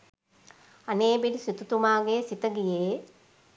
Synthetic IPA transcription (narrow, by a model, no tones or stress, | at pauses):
aneːbeɖisit̪ut̪umaːɡesit̪əɡijeː